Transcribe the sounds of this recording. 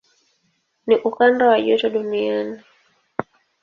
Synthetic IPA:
niʔukandawaʄutɔɗuniani

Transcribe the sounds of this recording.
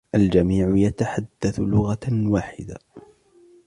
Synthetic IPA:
ʔald͡ʒamiːʕʊjat̪aħad̪ːaθlʊɣawaːħɪd̪a̰

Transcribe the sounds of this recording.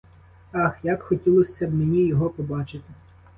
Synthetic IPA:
ɑxjakxɔtʲilˠɔsʲːɐbmenʲijɔɦɔpɔbɑt͡ʃɪt̪ɪ

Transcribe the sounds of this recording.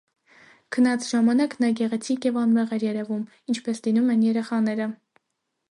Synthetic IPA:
kʰənɑt͡sʰʒɑmɑnɑknɑɡɛʁɛt͡sʰikjɛvɑnmɛʁɛɾjɛɾɛvum | int͡ʃʰpɛslinumɛnjɛɾɛχɑnɛɾə

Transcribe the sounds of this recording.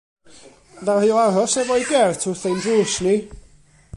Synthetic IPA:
dahɨɔarɔsɛvɔiɡɛrtʰʊθejndruːsni

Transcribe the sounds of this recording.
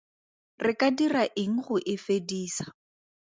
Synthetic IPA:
rɪkadiraʔɪŋ̩χʊʔɪfediːsḁ

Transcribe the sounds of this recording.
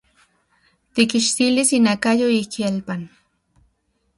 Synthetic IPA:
t̪ikiʃt̪ilisinakajoikialpan

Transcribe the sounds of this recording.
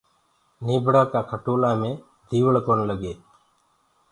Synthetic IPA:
niːbʱɽaːkaːkʰəʈoːlaːmẽː | d̪ʱiːʋəɭkonləɡeː

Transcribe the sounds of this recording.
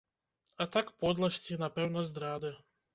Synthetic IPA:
at̪akpod̪lˠast͡s̪inapɛwnazd̪ɾaːd̪ɛ

